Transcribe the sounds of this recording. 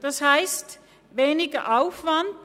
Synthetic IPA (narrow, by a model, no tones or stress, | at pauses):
d̥ashaɪst | veːnɪɡɐʔaʊfvand